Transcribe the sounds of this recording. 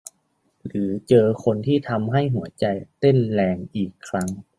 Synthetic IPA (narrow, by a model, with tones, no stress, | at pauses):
lɯː˩˦t͡ɕɤː˧kʰo˧nt̪ʰiː˥˩t̪ʰa˧mɦa˥˩jɦu˩˦ɐt͡ɕa˧jt̪e˥˩nlɛː˧ŋʔiː˨˩kʰːɾa˦˥ŋ